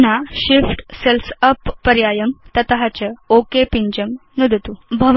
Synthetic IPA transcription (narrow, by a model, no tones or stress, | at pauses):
naɕifʈselsəpːəɾjajəmt̪ɐt̪ɦat͡ɕəokepiɲd͡ʑəmnud̪ʱt̪ubʱɐʋ